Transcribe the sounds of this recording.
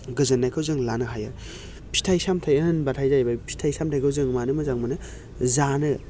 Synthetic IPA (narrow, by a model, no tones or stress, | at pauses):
ɡɯzɯnːajkʰɯwzɯŋlanɯɦajaɾ | pʰi̥tʰajsamtʰajɐnbatʰajzajbajpʰi̥tʰajsamtʰajkʰɯwzɯŋmanɯmɯzaŋmɯnɯ | zanɯ